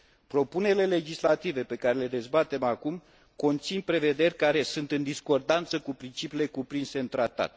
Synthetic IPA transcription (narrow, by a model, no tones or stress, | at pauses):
pɾo̞pune̞ɾile̞le̞d͡ʒislat̪ive̞pe̞kaɾe̞le̞d̪e̞zbat̪e̞makum | ko̞nt̪sinpɾe̞ve̞d̪e̞rʲkaɾe̞sunt̪ɨnd̪isko̞rd̪ant̪səkupɾint͡ʃipile̞kupɾinse̞ɨnt̪ɾat̪a̰t̪